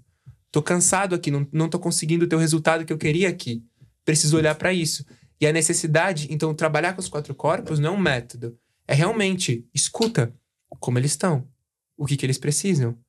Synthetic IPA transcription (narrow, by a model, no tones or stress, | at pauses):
t̪okɐ̃sad̪ʊakinɐ̃w̃nɐ̃w̃t̪okõsɪɡĩd̪ʊt̪eʊhezult̪ad̪ʊkɪewkeɾiɐakʰi | pɾesizʊolʎaɾpɾɐisʊ | ɪɐnesesid̪ad͡ʒɪẽt̪ɐ̃w̃t̪ɾabaʎaɾkõʊskwat̪ɾʊkɔɾpʊsznɐ̃ɛũmɛt̪od̪ʊ | ɛɦeawmẽnt͡ʃɪɪskut̪ɐ | kõmʊelɪst̪ɐ̃w̃ | ʊkɪkɪelɪspɾesizɐ̃w̃